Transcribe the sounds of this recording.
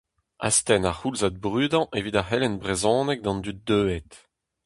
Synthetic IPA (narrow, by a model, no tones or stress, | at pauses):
a̰st̪ɛnaχulzad̪̚bʁyːd̪ɑ̃ʔevit̪ahɛlɛnbʁezɔ̃ːnɛk̚d̪ɑ̃nd̪yt̪̚d̪øːɛt̪